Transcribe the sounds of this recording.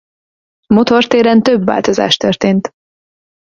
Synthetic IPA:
mo̞t̪o̞rt̪eːɾɛnt̪øbva̰ːlt̪o̞za̰ːʃt̪ørt̪eːnt̪

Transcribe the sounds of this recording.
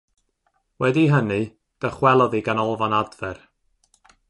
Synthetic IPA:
wɛdiɦənɨ | d̥əχwɛlˠɔðiɡanɔlˠvanadvɛr

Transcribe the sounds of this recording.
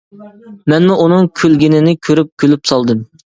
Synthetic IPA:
mɛnmuʔunɨŋkʲʰølɡʲinɪnɪkʲʰøɾyp̚kʲʰølypsɑlˠd̪ɨm

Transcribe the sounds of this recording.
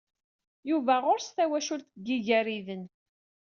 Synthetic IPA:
juvæʁʊɾst̪æwæʃʊlθɡːiʝæɾiðən

